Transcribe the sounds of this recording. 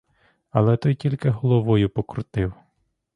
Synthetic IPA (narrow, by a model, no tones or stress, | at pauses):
ɐlˠɛt̪ɔjtʲilʲkɪɦɔlˠɔʋɔjʊpɔkɾʊt̪ɪw